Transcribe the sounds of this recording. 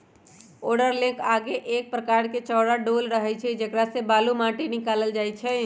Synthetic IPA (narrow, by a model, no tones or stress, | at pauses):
oɖəɾlẽkaɡeʔek̚pɾəkaɾket͡ʃɔːɾaɖolɾəɦɛt͡ʃʰɛd͡ʒəkɾasebalumãʈinikaləld͡ʒajt͡ʃʰɛ